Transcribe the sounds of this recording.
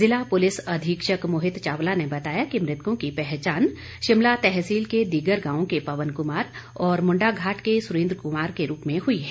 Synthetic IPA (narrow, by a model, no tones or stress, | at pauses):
zɪlapʊlɪsɐd̪ʱiːkʃəkmʊɦɪt̪t͡ʃaːʋlanebɐt̪aːjakimɾɪt̪kõkipɛɦt͡ʃaːn | ʃɪmlat̪ɛɦsiːlked̪iːɡəɾɡãːõkepɐʋənkʊmaːɾɔːɾmʊ̃ɳɖaɡʱaːʈkesʊɾẽːnd̪ɾəkʊmaːɾkeɾuːpmẽɦʊiɦɛː